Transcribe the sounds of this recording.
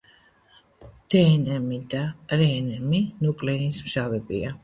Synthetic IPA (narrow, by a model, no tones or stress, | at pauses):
d̪̥ɛːnɛmid̪aɾɛːnɛminukʼlɛnismʃavɛbḭa